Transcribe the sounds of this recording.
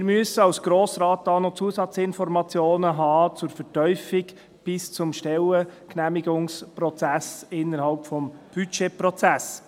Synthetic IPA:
ɪɾmyəsəɑwsɡ̥ɾoːsɾɑːt̚d̥ɑːnɔt͡suəsɑt͡sɪnfɔɾmɑt͡sjoːnəɦɑːt͡sʊɾfɛɾtœʏfɪɡ | b̥ɪst͡sʊmʃtɛləknæmiɡʊŋspɾɔt͡sæsɪnːəɾhɑlpfɔmb̥yt͡ʃepɾɔt͡sæs

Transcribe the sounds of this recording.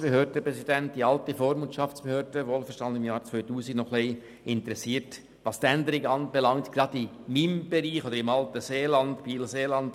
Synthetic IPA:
peɦøːɾdəpɾɛsidæntd̥iɑltəfoːɾmʊt͡ʃɑft͡spehøːɾdəʋoːlfəɾʃtɑndəɪmjɑːɾt͡sʋœʏtuːsiɡnɔχlɛɪ | ɪntɾɛsiːɾt | ʋɑstænd̪əɾɪɡəɑːnbɛlɑŋtɡ̥rɑdɪ | mimb̥eɾiːχod̪əɾɪmɑltəseːlɑndbiːlseːlɑnd

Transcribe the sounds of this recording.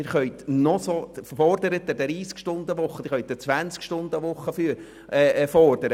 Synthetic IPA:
ɪɾχœʏt̪nɔsofɔrdəɾət̪ːɛd̥̪ɾiːskʃtʊnd̪əʋʊχːəd̪ɪχœʏt̪̚dɛt͡sʋænt͡skʃtʊnd̪əʋʊχːəfyɾ | ɛːfɔrd̥əɾə

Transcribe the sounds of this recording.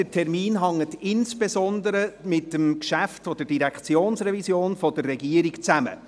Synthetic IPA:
dətʰɛrmiːnɦɑŋːətɪnsb̥esɔnd̪əɾəmɪtːəmkʃæftfɔd̥əɾd̥iɾɛkχt͡sjoːnsrɛvisjoːnfɔd̥ərːɛɡiəɾikt͡sæmə̰

